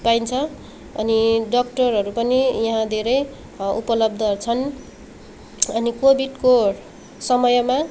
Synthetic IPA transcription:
paint͡sʰʌ | ʌ̰niɖʌkʈʌrɦʌɾupʌnijʌɦãd̪ʱeɾʌj | upʌlʌb̚d̪ʱʌt͡sʰʌn | ʌnikobʱiɖko | sʌmʌjma

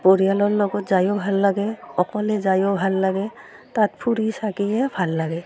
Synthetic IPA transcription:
poɹijalɔɹlɔɡɔtzajɔbʱalːaɡɛɔkɔlɛzajɔbʱalːaɡɛ | tatpʰuɾisakijɛbʱalːaɡɛ

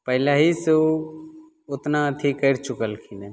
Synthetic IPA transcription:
pəɦɪlaɦiso | ʊt̪nat̪ʰikəɾt͡ʃʊkəlkʰine

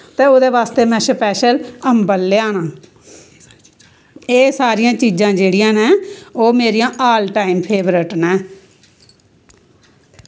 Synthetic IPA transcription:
t̪eːod̪eːʋaːst̪eːmɛ̃ːʃəpɛːʃələmbəlːeãːnãː | eːsaːɾijãːt͡ʃiːd͡ʒãːd͡ʒeːɽijãːnɛ̃ːoːmeːɾijãːʔaːlʈaːiːmpʰeːbɾəʈnɛ̃ː

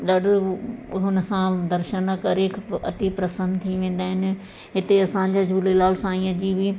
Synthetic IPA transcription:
ɗaːɖʊɦʊnəsãd̪ɐɾʃənkɐɾekɐ̰t̪ipɾɐsə̃nd̪t̪ʰiʋẽːn̆d̪aːɦɪnɪ̆ | ɦɪt̪eɐsãːɲ̆d͡ʑad͡ʑʱuːlelaːlsãĩːɐd͡ʑibɪ

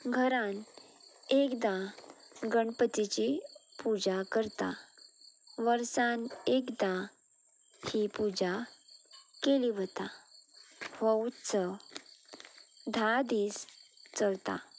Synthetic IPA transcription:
ɡʱəɾãn | ekd̪ã | ɡəɳpət̪it͡ɕipud͡zakəɾt̪a̰ | ʋəɾsãnekd̪ã | hipud͡ʑa | keliʋət̪a | ʋəwt͡sə | d̪ʱad̪ist͡səlt̪a̰

